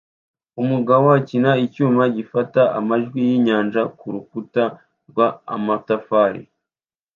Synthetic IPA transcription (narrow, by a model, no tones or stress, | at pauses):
umuɡawaːcinaicuːmaɟifataʔa̰maʒɡwijiɲaːnʒakuɾukuta | ɾɡwaa̰matafaːɾḭ